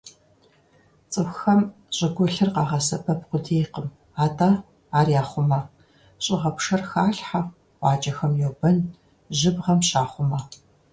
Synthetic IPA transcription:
t͡sʼɨxxɐm | ɕʼɪɡʷɔɬɨrqɑːʁɐsɐpʰɐp̚qʷʊdeːqəm | aːtʰʼaː | aːrjaːχʷʊmɐ | ɕʼɪʁɐpʂɐrxaːɬħa | wʷɑːt͡ʃʼɐxɐmjɛwbɐn | ʒɪbʁɐmɕaːχʷʊmɐ

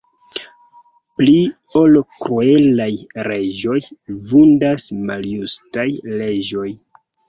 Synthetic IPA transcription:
pliolkɾue̞lajɾe̞d͡ʒo̞jvundasmaljustajle̞d͡ʒo̞j

